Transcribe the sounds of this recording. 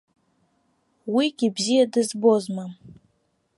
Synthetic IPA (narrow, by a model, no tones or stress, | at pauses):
wiɡʲibzijadɨzbozmam